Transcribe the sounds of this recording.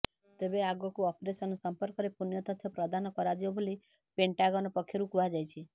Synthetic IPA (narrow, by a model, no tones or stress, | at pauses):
t̪ebeaɡɔkuɔpɾesɔnɔsɔmpɔɾkɔɾepunjɔt̪ɔt̪ʰjɔpɾɔd̪anɔkɔɾad͡ʒibɔbʱoli | peɳʈaɡɔnɔpɔkʰjɔɾukuad͡ʒajt͡ʃʰi